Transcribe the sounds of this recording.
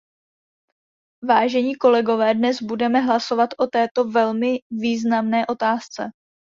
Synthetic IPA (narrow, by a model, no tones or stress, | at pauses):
vaːʒɛɲiːko̞lɛɡo̞vɛːdnɛzbudɛmɛɦlaso̞vat̪ʔo̞t̪ɛːt̪o̞vɛlmɪviːznamnɛːʔo̞t̪aːst͡sɛ